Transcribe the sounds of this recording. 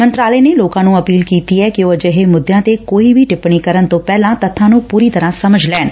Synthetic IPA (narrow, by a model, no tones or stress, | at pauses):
mə̃nt̪ɾaːləːneːloːkãːnũːəpiːlkiːt̪iːɛːkɪoːəd͡ʒəɦeːmʊd̪ːjãːt̪ekoːibʱiːʈɪpɳ̃iːkəɾənt̪õːpɛːlãːt̪ət̪ʰːãːnũːpuːɾiːt̪əɾãːsəməd͡ʒʱlɛːn